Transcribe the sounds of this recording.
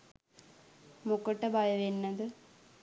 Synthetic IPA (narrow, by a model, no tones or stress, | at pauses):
mukːoʈːɐbɐjɐʋenːɐd̪ɯ